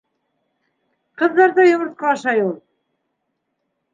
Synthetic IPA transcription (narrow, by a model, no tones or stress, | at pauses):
qɤ̆ðːɑɾðɑjŏmɤ̆ɾt̪̚qɑːʃɑjulˠ